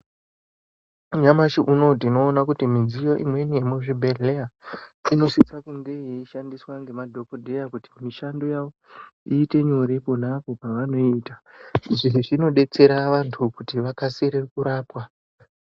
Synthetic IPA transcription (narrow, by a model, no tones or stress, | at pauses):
uɲamaʃiʔuno̞tino̞ːnakutimid͡zijo̞ʔimwe̞nijemuʐibʱeeaino̞sit͡sakuŋɡejeiʃandiswaŋɡe̞madʱo̞kodʱe̞jakuti̥miʃando̞jaʋo̞ | iːte̞ɲo̞ɾe̞po̞napo̞paʋano̞itaiʐiɦiʐino̞ɗe̞t͡se̞ɾaʋantʰukutiʋakaseɾekuɾaːpwa